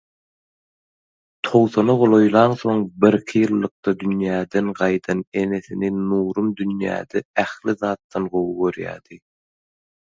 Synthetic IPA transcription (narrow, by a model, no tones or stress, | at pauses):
t̪ʰo̞wθonɑʁolˠo̞jlˠɑnθo̞ŋbiɾkʰijɯlˠːɯq̚t̪ɑd̪ynjæːd̪enɢɑjd̪ɑne̞ne̞θininuːɾumd̪ynjæ̰ːd̪eæxliðɑːt̪ːɑnɢo̞wuøɾjæ̰ːd̪̥i